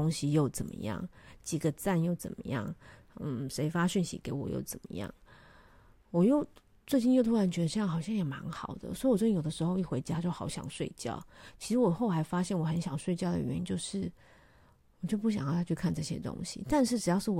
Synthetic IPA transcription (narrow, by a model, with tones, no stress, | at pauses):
o˥ŋɕi˨jo˥˩ʊt͡sə˨˩nmə̰˦jɑ̰˥˩ŋt͡ɕi˨˩ɡə˦t͡sa˥˧njo˥˩ʊt͡sə̰˨˩nmə̰˦jɑ̰˥˩ŋ̩˥˩ | ʂe˧˥ɪfa˥ɕy˥˩nɕḭ˧˥ke˧˥ɪwɔ̰˨˩jo̰˥˩ʊt͡sə˨˩nmə̰˦jɑ̰˥˩ŋ | wɔ˨˩jo˥˧ʊ | t͡swe˥˧ɪt͡ɕi˥˧njo˥˩ʊt̪ʰu˥ɻa˧˥nt͡ɕɥɛ˧˥d̪ə˧ʂxɑ˨˩ʊɕjɑ˥ŋjɛ˨˩ma˧˦˥nxɑ˨˩ʊd̪ə̰˦swɔ˧˥i˥˨˩wjo˨˩d̪ə˦ʂɻ̩˧˥xo˥˧ʊi˥˩xwe˧˥ɪt͡ɕja˥tʰa˥t͡ɕjo˥˩ʊxɑ˧˥ʊɕjɑ̰˨˩ŋʂwe˥˧ɪt͡ɕjɑ̰˥˩ʊt͡ɕʰi˧˥ʂɻ̩˧˥wɔ˨˩xo˥˩ʊxa˧˥ɪfa˥ɕjɛ˥˩nwɔ˨˩xə˧˦nɕjɑ˨˩ŋʂwe˥˧ɪt͡ɕjɑ˥˩ʊd̪ə̰˩ɥɛ̰˧˥ni˥nt͡ɕjo˥˧ʊʂɻ̩˥˩ | wɔ˨˩t͡ɕjo˥˧ʊp̬u˥˩ɕjŋjɑ˥˩t̪ʰa˥t͡ɕʰy˥˧kʰa˥˧nʈ͡ʂɤ˥˩ɕjɛ̰˥t̪ʊ̰˥ŋɕḭ˨t̪a˥˧nʂɻ̩˥˩ʈ͡ʂɻ̩˨˩jɑ˥ʊʂɻ̩˥˩